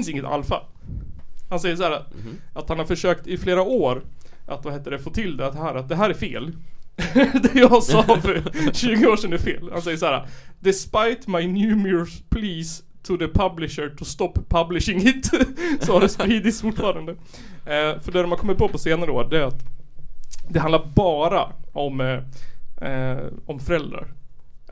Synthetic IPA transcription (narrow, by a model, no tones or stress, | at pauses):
ɪnsɪŋːət̪a̰lːfa̰l | hansɛjːəʂ̬æːɾa | ʔat̪hanhaɾfœʂøːkt̪ɪfleːɾaoːɾʔat̪vaheːt̪ːəɖɛfoːt̪ʰɪld̪ɛt̪ːhæːɾat̪̚d̪ɛɦæːɾæɾfeːl | d̪ɛjɑsɑːfœɾɕʉ̟ːɡəoːʂɛnd̪ɛæɾfeːlhansɛjːəʂaæːɾa̰d̪ɪspajt̪majnjʉːmʊɹspʰliːs | t̪ʰʊðəpʰablɪʃəɾʈʰʊst̪ɔpʰːablɪʃɪŋɪt̪sɔad̪ɛspɾiːd̪ɪt̪sfʊʈːfɑːɾand̪ə | fœɖɛɾɔmankɔmːɪt̪̚pʰoːpʰɔseːnaɾəd̪ɔɖ̪ɛæɾat̪ | d̪ɛɦand̪laɾbɑːɾaɔm | ɔmfœɾɛld̪ɾa̰ɾ